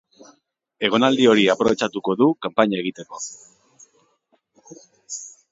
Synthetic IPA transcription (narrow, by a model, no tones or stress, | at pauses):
e̞ɣ̞o̞nald̪io̞ɾiapɾo̞βe̞t͡ʃat̪uko̞ðukampaɲae̞ɣ̞it̪e̞ko̞